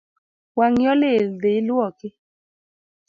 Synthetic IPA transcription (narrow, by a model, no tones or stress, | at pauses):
waŋjɔledeluɔkɪ